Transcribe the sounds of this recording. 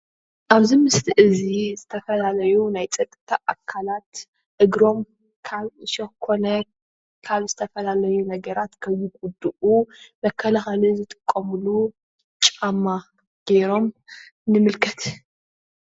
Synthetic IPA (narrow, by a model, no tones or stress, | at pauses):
ʔaβzimɨst̪ʰiʔɨzizɨt̪ʰɐfɐlalɐjunajt͡sʼɐt̪ʼːɨt̪ʰaʔakʰːalat̪ | ʔɨɡɾo̞m | kʰaβɨʃɐxkʰo̞nɐ | kʰaβzɨt̪ʰɐfɐlalɐjunɐɡɐɾat̪kʰɐjːɪkʼud̪uʔumɐkʰːɐlɐxalizɨt̪ʼɨ̥kʼːɐmulu | t͡ʃʼamːa | ɡ̥eɾo̞m | nɨmɨlkʰɐt̪